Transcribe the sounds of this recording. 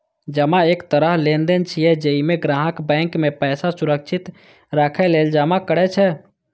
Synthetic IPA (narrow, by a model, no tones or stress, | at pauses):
d͡ʒəmaekt̪əɾəɦlend̪ent͡ʃʰijɛd͡ʒeimeɡɾaːɦəkbɛ̃ŋkmepɛːsasuɾəkt͡ʃʰit̪ | ɾakʰɛleld͡ʒamakəɾɛt͡ʃʰɛ